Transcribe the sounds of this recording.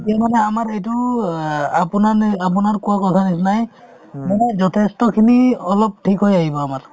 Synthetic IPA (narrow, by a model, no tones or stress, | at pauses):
etijamanɛamaɹejtʊ | apʊnaapʊnaɹkʊwakɔtʰanisnaj | manɛzɔtʰestɔkʰiniɔlɔp̚tʰikɦojaɦibɔamaɹ